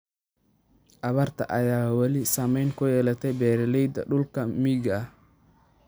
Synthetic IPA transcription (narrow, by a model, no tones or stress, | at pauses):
ʔɐβɐrt̪ʰɐ̰ʔɐjaːwɑlɪsɐmɛjnkʰʊjɛːlɐt̪ʰɛjbɛːɾɪlɛjd̪ɐ̰ɖʊlkʰɐmiːɡɐh